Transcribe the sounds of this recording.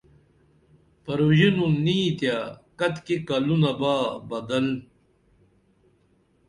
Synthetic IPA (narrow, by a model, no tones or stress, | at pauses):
pɐɾuʑinunːiːt̪jakɐt̪kekɐlunɐbaːbɐd̪ɐl